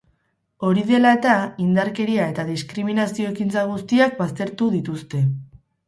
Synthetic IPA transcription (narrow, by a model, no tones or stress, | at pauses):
o̞ɾiðe̞laet̪aind̪aɾke̞ɾiae̞t̪aðiskɾiminasio̞ekint͡saɣ̞ust̪iak̚bast̪e̞ɾt̪uðit̪ust̪e̞